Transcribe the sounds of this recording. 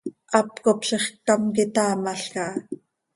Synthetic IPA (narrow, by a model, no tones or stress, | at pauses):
ʔɑpkopʃeχk̚tɑmkɪt̪ɑːmɑɬkɑʔ